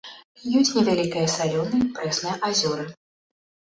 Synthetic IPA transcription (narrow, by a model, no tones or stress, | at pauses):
jut͡sʲnʲɛvʲalʲikɐjɐsalʲɔnɨpɾɛsnɨjɐʔazʲɔɾɨ